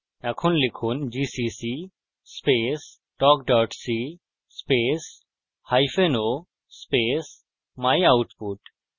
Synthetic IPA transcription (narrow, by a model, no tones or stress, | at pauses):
ɛkʰunlikʰund͡ʑisisi | spes | ʈɔːkɖɔɾʈsi | speːs | hajfeno | speːs | majawʈpuʈ